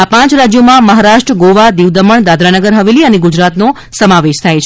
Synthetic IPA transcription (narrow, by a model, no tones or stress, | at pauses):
apãt͡ʃɾad͡ʒjomãməɦaɾaʃʈɾəɡoʋad̪iʋd̪əməɳd̪ad̪ɾanəɡəɾɦəʋeliəneɡud͡ʒɾat̪no | səmaʋeʃt̪ʰajt͡ʃʰ